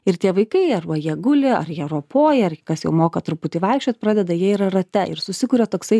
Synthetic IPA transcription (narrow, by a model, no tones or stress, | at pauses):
ɪɾt̪ʲiɛʋɐɪkɐɪɐɾʋɐjiɛɡʊlʲeːɐ̰ɾjiɛɾoɔpoːjɛɐɾkɐsjɛʊmoːkɐt̪ɾʊpʊt̪ʲɪʋɑɪkʃʲt͡ʃʲot̪̚pɾɑːd̪ʲɛd̪ɐjiɛɪɾɐrɐt̪ʲɛɪ̰ɾsʊsʲɪkuːɾʲɛt̪oːksɐɪ